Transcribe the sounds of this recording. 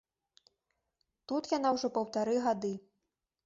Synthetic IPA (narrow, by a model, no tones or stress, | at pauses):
t̪ut̪janawʐɔpɐwt̪aɾɨɣad̪ɨ